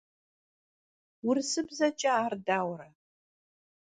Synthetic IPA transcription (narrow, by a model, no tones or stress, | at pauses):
wʊrsɨbzɐt͡ʃʼɐaːrdaːwɾɐ